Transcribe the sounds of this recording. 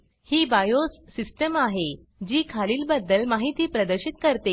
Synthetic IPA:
hiːbajosːisʈəmaɦe | d͡ʑiːkʰaliːlbəd̪ːəlmaɦit̪iːpɾəd̪əɾɕit̪kəɾt̪e

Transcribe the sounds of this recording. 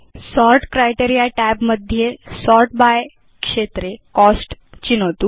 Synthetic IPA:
sɔɾʈkɾajʈeɾijaʈɛbməd̪ʱjesɔɾʈ̚baj | kʂet̪ɾekɔsʈt͡ɕinət̪u

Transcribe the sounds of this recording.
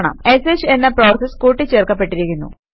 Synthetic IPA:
ɳɐ̰me̞set͡ɕe̞nːɐpro̞ːseskuːʈːit͡ɕe̞ːrkɐpːe̞ʈːiɾikʲːunːṵ

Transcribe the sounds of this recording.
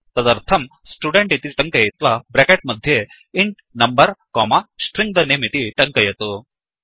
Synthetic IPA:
t̪ɐd̪ɐɾt̪ʰɐm | sʈuɖeɳʈit̪iʈɐŋkɐjɐt̪ʋɐbɾekeʈ̚mɐd̪ʱje | iɳʈ | nɐmbɐɾkɔːmɐsʈɾiŋɡ̚d̪ɐneːmit̪iʈɐŋkɐjɐt̪u

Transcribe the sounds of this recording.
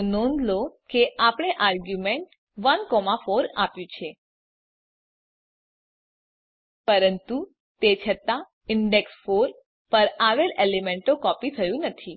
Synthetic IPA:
nõnd̪lokeʔapɽ̃eʔaɾɡjumeɳʈ | ʋənkɔmafoɾapjũt͡ʃʰe | pəɾənt̪u | t̪et͡ʃʰət̪a | ɪɳɖeksfoɾ | pəɾaʋelelemeɳʈokɔpit̪ʰəjũnət̪ʰi

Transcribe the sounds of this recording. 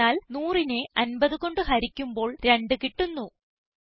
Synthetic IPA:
aːlnuːrineɐnbɐðɨko̞ɳɖɨɦɐɾikʲːumbo̞ːɭɾe̞ɳɖɨkiʈːunːu

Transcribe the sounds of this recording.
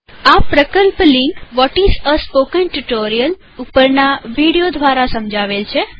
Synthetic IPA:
apɾəkəlplĩŋɡʋɔʈizəspokənʈuʈoɾijəl | upəɾnaʋiɽijod̪ʱʋaɾasəmd͡ʒaʋelt͡ʃʰe

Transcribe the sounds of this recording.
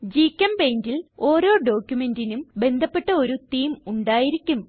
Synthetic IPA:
d͡ʑiːkʲːɐmbe̞jndilo̞ːɾo̞ːɖo̞ːkʲjume̞ndinumbe̞nd̪ʱɐpːe̞ʈːɐo̞ɾut̪iːmuɳɖaːjiɾikʲːum

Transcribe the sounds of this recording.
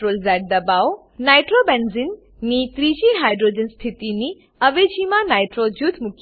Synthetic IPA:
ɾoːlzɛʈ̚d̪ɐbaw | najʈɾobɛnzinː | it̪ɾiʃiɦajɖɾoːd͡ʒənst̪ʰit̪ini | əʋed͡ʒimãnajʈɾod͡ʒut̪ʰmukʰ

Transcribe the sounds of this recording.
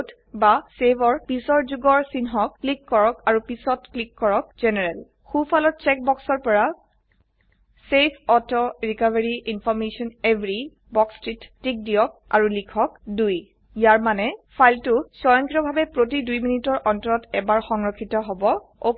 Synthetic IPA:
t | basebɔɹpisɔɹzuɡɔɹsinɦɔkːlikːɔɹɔkaɹupisɔtklikːɔɹɔk̚zɛnɛɹɛl | xupʰalɔt̚t͡ʃɛk̚bɔksɔɹpɔɹa | sepʰɔtʰɔɹikaveɹiinpʰɔɹmesɔnebɹi | bɔkstɹitːik̚diɔk̚a̰ɹulikʰɔkduj | jaɹmanɛpʰajltʊsɔjɔŋkitɔbʱabɛpɹot̬idujminitɔɹʔɔntɔɹɔtɛbaɹxɔŋɹɔkʰːitɔɦobɔ | o

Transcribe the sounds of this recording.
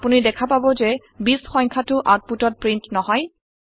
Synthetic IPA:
punidɛkʰapabɔzɛ | bisxɔ̃jŋkʰatʊʔat̚putɔt̚pɹintnɔɦɔj

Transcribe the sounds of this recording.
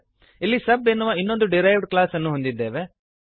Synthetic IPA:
ilːisɐbːenːuʋɐinːo̞nd̪uɖiɾɐjʋɖklaːsɐnːuɦond̪id̪ːe̞ːʋe

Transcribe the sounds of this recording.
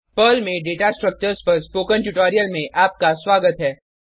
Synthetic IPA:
pəːlmẽɖeːʈasʈɾək̚t͡ʃəɾspɐɾspoːkə̃nʈuʈaːɾijəlmẽʔaːp̚kaswaːɡət̪ɦɛː

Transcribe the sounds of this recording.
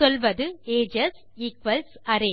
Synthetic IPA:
sɔlʋɐðɯeːd͡ʒɐs | ɪkʋɐlsɐɾeː

